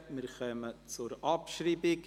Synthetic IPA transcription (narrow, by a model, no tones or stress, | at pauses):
mɪɾχœmət͡sʊɾʔɑpʃɾiːbɪk